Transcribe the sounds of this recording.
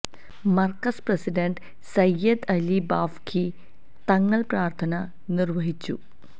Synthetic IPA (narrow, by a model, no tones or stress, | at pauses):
mɐrkɐsprɐsiɖɐɳɖ | sɐjːɐd̪ɐlibaːfkʰi | t̪ɐŋːɐɭpraːrt̪ʰɐnɐ | nirʋɐɦit͡ɕːu